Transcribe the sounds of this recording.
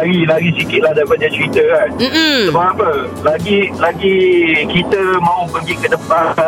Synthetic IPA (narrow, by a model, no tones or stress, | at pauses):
aɡilaɡisikɪt̪̚ladaibadat͡ʃəɾit̪əkansəbaapə | laɡilaɡikit̪əmãupəɡikəd̪əpa